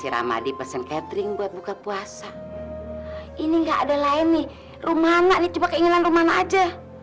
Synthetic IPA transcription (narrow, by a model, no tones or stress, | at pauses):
siɾa̰ma̰dipɛsɛnkɛt̪ɾiŋbuat̪̚bukapuasa | iniŋɡaʔːdalaɛnːɪ | rumanaʔnit͡ʃubakəiŋananrumanaʔːd͡ʒa